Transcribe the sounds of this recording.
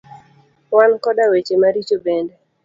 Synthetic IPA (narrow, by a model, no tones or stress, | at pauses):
wankɔdawet͡ʃemaɾit͡ʃobɛndɛ